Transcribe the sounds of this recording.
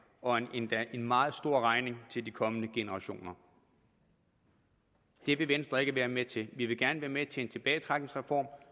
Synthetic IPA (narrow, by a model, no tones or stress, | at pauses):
ɒ̽n̥enmɑ̈ːð̩ˠsd̥o̝ɐ̰ʁɑ̈ɪne̝ŋt͡sʰe̝ld̥ikʰɒ̽mənəɡ̥e̝nəʁɑ̈ɕo̝̰ːnɐ | d̥e̝ʋe̝ʋensd̥ʁɐe̝ɡ̥əʋæːɐmet͡sʰe̝lʋiʋe̝ɡ̥æɐnəʋæːɐmet͡sʰe̝ent͡sʰe̝b̥ɛːɪt͡sʰʁäɡ̥neŋsʁɛfɒ̰ːm